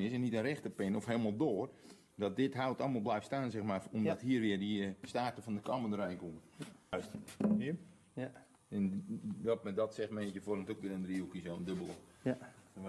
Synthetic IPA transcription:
nɪsɛnitənrɛxtəpɪnɔfɦeːlˠmalˠdoːr | dɔt̚dɪtɦawtɔ̰lˠməlˠblɛjfstaːnsɛxmaomddɔthɦiːərʋɪərdistaːrtəfɔndəkʰaməndəɾɛjnkuməs | ɛnʋɔtmɛdɔtsɛxmɛnsjəforəmtokʋɪɾəndriukisoəndøbəlˠə

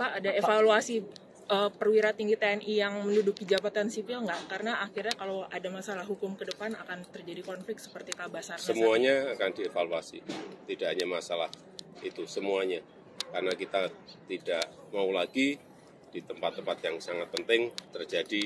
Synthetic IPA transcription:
paʔadaefaluasi | ʔəːpərwiɾat̪iŋɡit̪eɛnʔijaŋməndudukid͡ʒabat̪ansipɪlŋɡaʔkaɾənaːkirɲakaloadamasalahɦukʊmkədəpana̰kant̪ərd͡ʒadikɔnflɪk̚t̪sə̥pərt̪ikabasarssəmuaɲaːkandiefaluasḭt̪idaʔɦaɲamasalah | it̪usəmuaɲa | karənakit̪at̪idaʔ | maulaɡi | d̥it̪əmpat̪ːəmpat̪jaŋsaŋat̪̚pənt̪ɪŋt̪ərd͡ʒadi

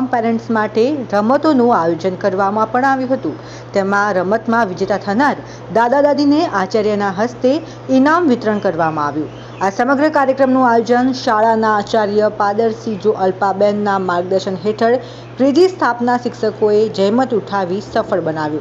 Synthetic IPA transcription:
mpɛɾẽɳʈsmaʈeɾəmət̪onũajod͡ʒənkəɾʋamãpəɳaʋjũɦət̪ũ | t̪emãɾəmət̪mãʋɪd͡ʒet̪at̪ʰənaɾ | d̪ad̪ad̪ad̪ʱineʔat͡ʃaɾjənaɦəst̪e | inamʋɪt̪ɾəɳkəɾʋamãaʋjũ | asəməɡɾəkaɾjəkɾəmnũajod͡ʒənʃaɭanaːt͡ʃaɾjəpad̪əɾsid͡ʒoʔəlpabɛnːamaɾɡ̚d̪əɾʃənɦeʈʰəɭ | kɾid͡ʒ̪ist̪ʰapnaʃɪkʃəkoed͡ʒəjmət̪uʈʰaʋisəfəɭbənaʋjũ

